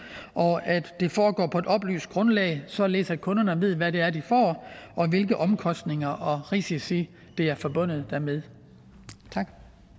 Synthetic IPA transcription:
ʔɒ̽æd̥ːe̝fɒːɡ̥ɒ̰ːpʰɒ̽e̝d̥ɒ̽b̥ly̰ːsd̥̚ɡ̥ʁɔ̽nlɛ̰ɪsɒ̽le̝ːsækʰɔ̽nɐnəʋe̝ð̞̰ˠʋæɾe̝æɐd̥ifɒ̰ːʔɒ̽ʋe̝lɡ̥əʔɒ̽mkʰɒ̽sd̥ne̝ŋɐʔɒ̽ʁisisi | d̥e̝æɐfɒb̥ɔ̽n̰ð̞̩ˠd̥æɐmeð̞ˠ | t͡sʰɑ̈ɡ̥

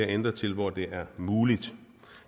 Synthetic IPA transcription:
æɐend̥ʁɐt͡sʰe̝lʋɒd̥e̝ʔæɐmuːlid̥

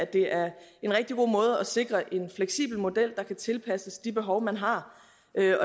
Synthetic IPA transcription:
æd̥e̝ʔæɐe̝nʁɛɡ̥̚d̥iɡ̥o̝̰ːmɔ̽ːð̞ˠɒ̽se̝ɡ̥ʁɐʔe̝nfleɡ̥sḭːb̥l̩mo̝d̥el̰d̥ɑ̈kʰæt͡sʰe̝lpʰæsəsd̥ib̥e̝ɦɒ̽ʊmænɦɑ̈ | ʔøɒ̽

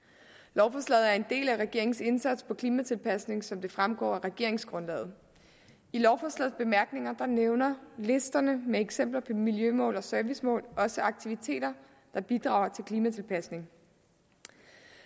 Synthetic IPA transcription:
lɒʊfɒslɛ̰ð̞̩ˠæɐe̝nd̥e̝̰ːlæʁɛɡ̥e̝ɐeŋ̩se̝nsæd̥spʰɒ̽kʰliːmæt͡sʰe̝lpʰæsne̝ŋsɒ̽md̥e̝fʁamɡ̥ɒ̰ːæʁɛɡ̥e̝ɐ̰e̝ŋsɡ̥ʁɔ̽nlɛ̰ːð̩ˠ | ilɒʊfɒslɛ̰ð̩ˠb̥e̝mæɐɡ̥ne̝ŋɐd̥ɑ̈neʊnɐle̝sd̥ɐnəmeeɡ̥sem̰b̥lɐpʰɒ̽miljømɔ̰̽ːlɒ̽sœɐʋismɔ̰̽ːlɒ̽səɑ̈ɡ̥̚t͡sʰiʋit͡sʰe̝̰ːd̥ɐ | d̥ɑ̈b̥id̥ʁɑ̰̈ʊɐt͡sʰe̝lkʰliːmæt͡sʰe̝lpʰæsne̝ŋ

